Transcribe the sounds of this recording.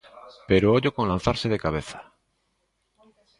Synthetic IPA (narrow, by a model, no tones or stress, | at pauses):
peɾooʎokonlãn̟θaɾseðekaβ̞eθḁ